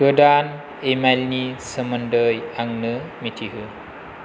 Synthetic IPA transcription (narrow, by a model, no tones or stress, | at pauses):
ɡədaːn | emalnisəməndəjaŋnɯmitʰiɦɯ